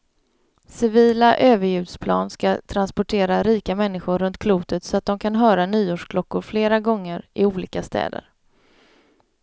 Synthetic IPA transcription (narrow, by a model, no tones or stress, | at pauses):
sɪviːlaʔøːvəɾjʉ̟ːd̪spʰlɑ̰ːnskat̪ʰɾanspɔʈʰeːɾaɾiːkamɛnːɪɧʊɾɾɵnt̪kʰluːt̪ət̪sɔat̪̚d̪ɔmkʰanɦœːɾanyːoːʂkʰlɔkːʊɾfleːɾaɡɔŋːəɾʔɪuːliːkast̪ɛ̰ːd̪ə̰ɾ